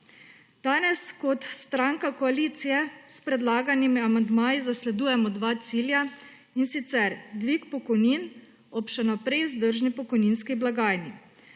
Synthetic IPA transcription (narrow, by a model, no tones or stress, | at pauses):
d̪̥aːnɛskɔt̪st̪ɾaŋkakɔaliːt̪sijɛspɾɛd̪laːɡanimiamand̪maːjizaslɛd̪uːjɛmɔd̪ʋaːt̪siːlja | insit̪sɛɾd̪ʋikpɔkɔjnin | ɔpʃɛnɔpɾɛjzd̪əɾʒnipɔkɔjninskiblaɡaːjni